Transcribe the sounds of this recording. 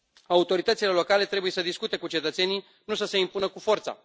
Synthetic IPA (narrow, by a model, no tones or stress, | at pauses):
aut̪o̞ɾit̪ət̪sile̞lo̞kale̞t̪ɾe̞buje̞səd̪iskut̪e̞kut͡ʃe̞t̪ət̪se̞ni | nusəse̞impunəkufo̞rt̪sa̰